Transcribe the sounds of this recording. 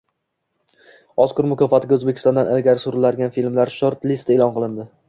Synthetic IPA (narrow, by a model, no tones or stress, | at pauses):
ɒskʊɾmʊkʰʲɒfat̪ʰɪɡʲaɵzbekʲɪ̥st̪ɒnd̪anʔalɡʲaɾɪsʊɾɪlaɾɡʲanfilmlaɾʃoɾt̪list̪eːlˠɒnqɨlˠɪnd̪ɪ